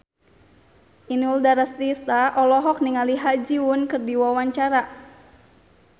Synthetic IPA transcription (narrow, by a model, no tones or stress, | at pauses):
ʔinuldaɾast̪ist̪aʔɔlɔɦɔk̚niŋaliɦad͡ʒiwʊnkɨrdiwawaɲt͡ʃaɾa